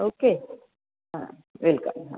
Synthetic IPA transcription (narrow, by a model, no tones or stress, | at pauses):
oːke | ɦã̰ | ʋɪlkə̰̃mɦã̰